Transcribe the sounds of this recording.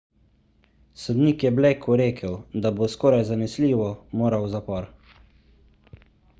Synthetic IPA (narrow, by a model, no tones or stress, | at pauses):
sɔd̪niːkjɛbleːkʰuɾeːkʰəwd̪aboskɔːɾajzanɛsliːʋɔmoːɾawzapɔɾ